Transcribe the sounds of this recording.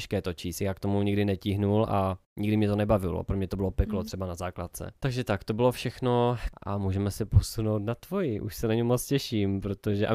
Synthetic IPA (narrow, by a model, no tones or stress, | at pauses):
ʃkɛːt̪ot͡ʃiːstjaːkt̪o̞muɲiɡdɪnɛciɦnulʔaɲʔiɡdɪmɲɛt̪onɛbavɪlo̰pɾomɲɛt̪obɪlo̞pɛklot̪r̥ɛbanazaːklat̪̚t͡sɛ̰t̪aɡʒɛt̪akt̪o̞bɪlo̞fʃɛxno̞ʔa̰muːʒɛmɛsɛposuno̞wt̪nat̪vo̞jɪʔṵʃsɛnaɲimːot͡scɛʃimpɾot̪oʒɛʔa̰